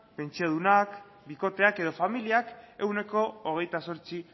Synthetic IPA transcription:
pe̞nt͡sioð̞unak | biko̞t̪e̞ake̞ð̞o̞familiake̞wne̞ko̞ːɣ̞e̞jt̪aso̞ɾt͡si

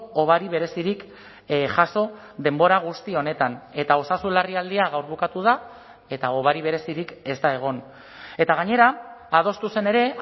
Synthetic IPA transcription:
oβaɾiβ̞e̞ɾe̞siɾik | ʝaso̞ | ðe̞mbo̞ɾaɣ̞ust̪io̞ne̞t̪ane̞t̪ao̞sasulariald̪iaɣawɾβ̞ukat̪uð̞a | e̞t̪ao̞βaɾiβ̞e̞ɾe̞siɾike̞zt̪ae̞ɣ̞o̞n | e̞t̪aɣ̞aɲe̞ɾaːð̞o̞st̪use̞ne̞ɾe̞

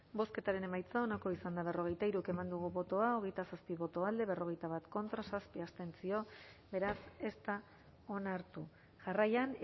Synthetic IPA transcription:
bo̞ske̞t̪aɾe̞ne̞majt͡sao̞nako̞isand̪aβ̞e̞ro̞ɣ̞e̞jt̪aiɾukemand̪uɣuβo̞t̪o̞ao̞ɣ̞e̞jt̪asaspiβo̞t̪o̞ald̪e̞βe̞ro̞ɣ̞e̞jt̪aβat̪ko̞nt̪ɾasaspiast̪e̞nt͡sio̞ | be̞ɾase̞st̪a | o̞naɾt̪u | ʝarajan

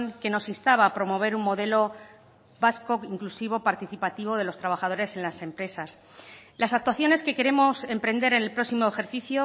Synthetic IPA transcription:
ŋke̞no̞sinst̪aβaːpɾo̞mo̞β̞e̞ɾummo̞ðe̞lo̞ | βasko̞kiŋklusiβ̞o̞paɾt̪iθipat̪iβ̞o̞ð̞e̞lo̞st̪ɾaβaxað̞o̞ɾe̞se̞nlase̞mpɾe̞sas | lasak̚t̪waθjo̞ne̞ske̞ke̞ɾe̞mo̞se̞mpɾe̞nd̪e̞ɾe̞nelpɾo̞ksimo̞exe̞ɾθiθjo

